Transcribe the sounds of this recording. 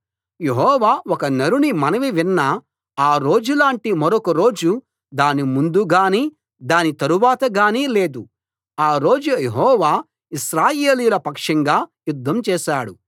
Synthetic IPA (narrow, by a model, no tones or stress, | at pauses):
jeɦɔːʋaːwɔkɐnɐɾunimɐnɐʋiʋinːɐ | aːɾo̞ːd͡ʒulaːɳʈimɐɾokɐɾo̞ːd͡ʒu | d̪aːnimund̪uɡaːniː | d̪aːnit̪ɐɾuʋaːt̪ɐɡaːniːle̞ːd̪u | aːɾo̞ːd͡ʒujeɦɔːʋaː | iʃɾaːjeːlijulɐpɐkʂɐŋɡaːjud̪ʱːɐmt͡ʃɛːʃaːɽu